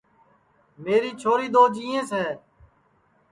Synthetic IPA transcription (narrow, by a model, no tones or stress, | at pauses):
meːɾiːt͡ʃʰoːɾiːd̪oːd͡ʒiːẽːsɛː